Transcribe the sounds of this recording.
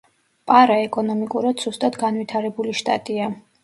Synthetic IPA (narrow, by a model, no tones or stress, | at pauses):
pʼaɾaɛkʼɔnɔmikʼuɾad̪̥z̥ust̪ʼad̪ɡanvwit̪ʰaɾɛbuliʃt̪ʼa̰t̪ʼia